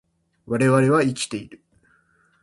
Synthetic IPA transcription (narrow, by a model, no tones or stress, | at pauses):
βaɾe̞βaɾe̞βaikʲi̥t̪e̞iɾɯ̟